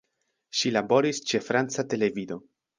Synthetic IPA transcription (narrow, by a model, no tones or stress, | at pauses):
ʃilabo̞ɾist͡ʃe̞fɾant͡sate̞le̞vido̞